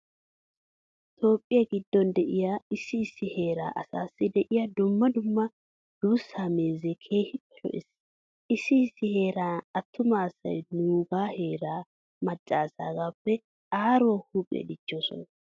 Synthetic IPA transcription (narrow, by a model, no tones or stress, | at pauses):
t̪o̞ːpʼːɪjɐɡɪd̪ːɔnd̪ɛʔɪjaːɪsːɪːsːɪhe̞ːɾa̰ːʔɐsa̰ːsːɪd̪ɛʔɪjad̪ʊmːɐd̪ʊmːɐ | d̪̥uːsːaːmeːzekʰe̞ːhɪpːɛ̥lɔ̰ʔɪs | ʔɪsːɪɪsːɪhe̞ːɾaːnɐt̪ːʊmaːsɐ̰jnuːɡaːhe̞ːɾaː | mɐt͡ʃʼːaːsa̰ːɡaːpːɛ | aːɾoːhuːpʼḛd̪ɪt͡ʃːo̞ːsɔ̰nɐ